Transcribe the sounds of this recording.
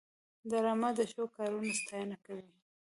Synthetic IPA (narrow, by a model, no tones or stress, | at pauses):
d̪aɾɑmad̪əʃokɑɾunast̪ɑjənakawi